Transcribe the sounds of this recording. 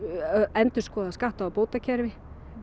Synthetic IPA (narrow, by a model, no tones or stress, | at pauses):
ɛnt̪ʏ̥skɔːðaskaht̪aːpoːwt̪acʰɛɾvɪ